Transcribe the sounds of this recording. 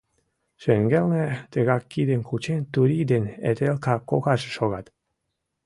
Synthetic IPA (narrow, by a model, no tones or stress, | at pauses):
ʃeŋɡelnet̪eɣɑkːid̪enkʰut͡ɕent̪uɾʲid̪enḛt̪elkʰɑkokɑʒeʃoɣɑt̪